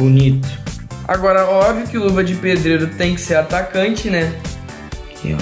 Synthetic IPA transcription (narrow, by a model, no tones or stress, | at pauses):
bunit̪ʊ̥a̰ɡɔɾɐɔbviʊkɪluvɐd͡ʒɪped̪ɾeɾʊt̪ẽj̃kɪ̥seɾat̪akɐ̃t͡ʃɪnɛ